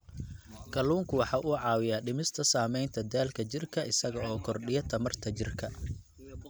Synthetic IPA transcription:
kʰɐluːŋkʰʊwɑħɑːʔuʕɑːwɪjaːɖɪmɪst̪ʰɐsaːmɛjnt̪ʰɐd̪aːlkʰɐt͡ʃɪrkʰɐʔɪsɐɣɐɔːkʰɔrɖɪjɐt̪ʰɐmɐrt̪ʰɐt͡ʃɪrkʰɐ

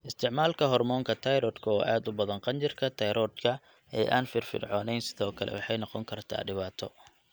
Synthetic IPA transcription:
ʔɪst̪ʰɪʕmaːlkʰɐɦɔrmɔːŋkʰɐt̪ʰɐjɾɔːd̪kʰʊwaːʔaːd̪ʊbɐðɐŋqɑnt͡ʃɪrkʰɐt̪ʰɐjɾɔːd̪kʰɐ | ɛ̰ːjʔa̰ːnfɪrfɪ̰rʕɔːnɛjnsɪðɔːkʰɐlɛ̰wɑħɑjnɑqɔŋkʰɐrt̪ʰa̰ːɖɪβaːt̪ʰɔ

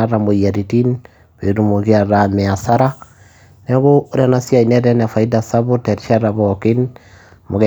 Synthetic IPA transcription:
aɾamojaɾitin | βeɾumoɣiaɾamɛasaɾa | neβooɾianasiainɛɾɛnafaidasaβotɛɾʃaɾaβɔkin | moɣɛ

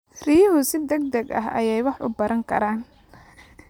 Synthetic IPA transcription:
rijɦʊsɪd̪ɐɡ̚d̪ɐɡɐ̰ɦɐ̰jɛjwɑħʔʊ̰bɐɾɐŋkʰɐ̰ɾaːn

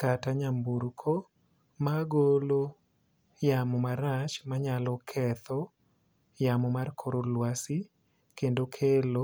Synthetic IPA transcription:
kataɲambuɾkʰo | maɡolo | jamɔmaɾat͡ʃmaɲalɔkʰɛt̪ɔ | jamɔmarkʰoɾolwasi | kendokʰelo

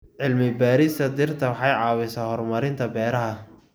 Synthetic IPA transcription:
ʕɪlmɪbaːɾɪst̪ʰɐd̪ɪrt̪ʰɐwɑħɑjʕɑːwɪsaːhɔrmɐɾɪnt̪ʰɐbɛːɾɐɦɐ

